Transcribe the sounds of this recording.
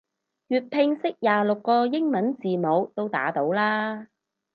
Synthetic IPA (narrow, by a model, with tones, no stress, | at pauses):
jyː˨t̚pʰɪ˧ŋsɪ˥k̚jaː˨˩lʊ˨kːɔː˧jɪ˥ŋmɐ˨˥nt͡siː˨˩mo˨˧wt̪o˥wt̪a̰ː˨˥t̪o˨˥wlaː˥